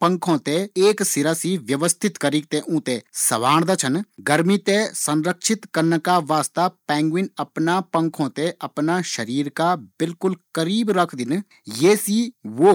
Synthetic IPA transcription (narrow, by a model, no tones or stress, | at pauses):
pə̃ŋkʰõːt̪eeːksɪɾaːsiʋjəʋəst̪ʰɪt̪kəɾik̚t̪ẽʔũːt̪esɐʋaːɽ̃d̪at͡ʃʰənɡəɾmit̪esə̃nɾəkʃɪt̪kəɾnkaʋaːst̪apɛ̃ːŋɡwɪnəpnapə̃ŋkʰõːt̪eɐpnaʃəɾiːɾkabɪlkʊlkəɾiːbɾəkʰd̪ɪn | jeːsiːʋoː